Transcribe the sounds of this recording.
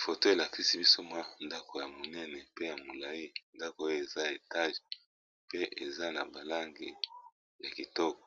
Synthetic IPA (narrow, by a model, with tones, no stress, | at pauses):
fo˨to˦e˨la˨ki˦si˦bi˦so˦ma˦nda˦ko˨ja˨mo˨nɛ˦nɛ˨pe˦ja˨mo˨la˨i˦nda˦ko˨˦jo˦e˨za˦˨e˨ta˦ʒ | pe˦ʔe˨za˦na̰˨ba˨la˦ŋɡe˨ | ja˨ki˨tɔ˦kɔ̥˨